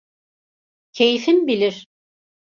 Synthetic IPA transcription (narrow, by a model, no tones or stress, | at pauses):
cʰe̞jifinbilʲiɾ̥